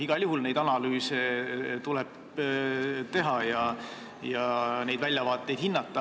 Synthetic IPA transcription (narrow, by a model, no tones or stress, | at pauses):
iɡ̥ɑlʲjuɦulne̞jd̪ɑnɑlyːset̪ulɛb | t̪e̞ɦɑjɑ | jɑne̞jd̪vælʲjɑvɑːt̪ːˑe̞jd̥̪hinːɑt̪ːˑɑ